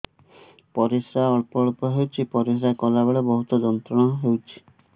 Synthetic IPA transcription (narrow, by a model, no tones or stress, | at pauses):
pɔɾisɾaɔɭpɔɭpɔɦewt͡ʃʰipɔɾisɾakɔlabeɭɔbɔɦut̪ɔd͡ʒɔnt̪ɾɔɽ̃ɔɦewt͡ʃʰi̥